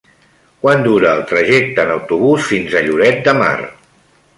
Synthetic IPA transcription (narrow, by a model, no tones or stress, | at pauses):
kwand̪uɾəːlˠt̪ɾəʒɛk̚t̪ənəwt̪uβusfinzəʎuɾɛt̪̚d̪əma̰r